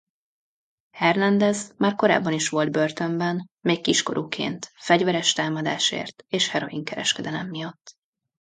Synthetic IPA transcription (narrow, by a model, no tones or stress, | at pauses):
hɛrlɛnd̪ɛzmaːrko̞ɾa̰ːbːɒniʃʋo̞ld̪̚bø̞rt̪ø̞mbɛnmeːkːiʃko̞̰ɾuːkʰḛːnt̪fɛɟvɛɾɛʃt̪aːmɒd̪a̰ːʃḛːrt̪eːʃhɛɾo̞̰iŋkɛɾɛ̰ʃkɛd̪ɛlɛmːijɒt̪ː